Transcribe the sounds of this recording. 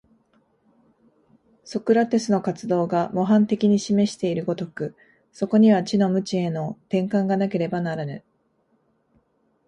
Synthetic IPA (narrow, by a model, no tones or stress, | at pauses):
so̞kɯ̟ɾat̪e̞sɨno̞kat͡sɨd̪o̞ːɡamo̞ɦãnt̪e̞kʲiɲ̟iɕime̞ɕi̥t̪e̞iɾɯ̟ɡo̞t̪o̞kɯ̟ | so̞ko̞ɲ̟iβ̞at͡ɕino̞mɯ̟t͡ɕie̞no̞t̪ẽ̞ŋkãŋɡanake̞ɾe̞banaɾanɯ